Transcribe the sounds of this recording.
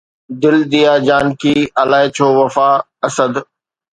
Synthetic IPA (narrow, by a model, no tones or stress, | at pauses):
d̪ɪld̪ijaːd͡ʑaːnkiːɐlaːɦɪt͡ɕʰoːʋɐfaː | ɐsəd̪